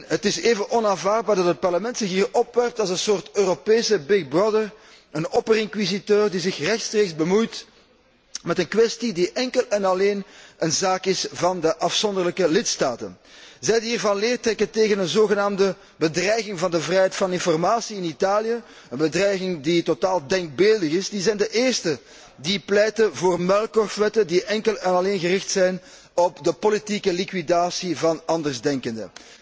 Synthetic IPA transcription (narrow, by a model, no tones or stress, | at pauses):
ɦətɪseːvənʔɔnaːnvaːrd̚baːrdɑtət̚pɑrləmɛntsɪxɦiːrɔpʋɛrp̚tɑlˠzənsoːrtøːropeːsəbɪɡ̚brɔdər | ənɔpərɪŋkwizitøːrdizɪxrɛxtstreːkzbəmujt | mɛtənkwɛstidiʔɛŋkəlɛnɑleːnʔənzaːkɪsvɑndəʔɑfsɔndərləkəlɪtstaːtə̰n | zɛjdəiːrvɑnlɪːrtrɛkənteːɣənənzoːɣənaːmdə | bədrɛjɣɪŋvɑndəvrɛjɦɛtfɑnɪnfɔrmaːsiɪnitaːlijə | ənbədrɛjɣɪŋditotaːlˠdɛŋɡ̚bɪːlˠdəɣɪsdizɛjndəʔeːrstə | diplɛjtəvoːrmɛlˠkɔrfʋɛtədiʔɛŋkəlɛnɑleːnɣərɪxtsɛjn | ɔpdəpolitikəlikwidaːsivɑnɑndərzdɛŋkəndə̰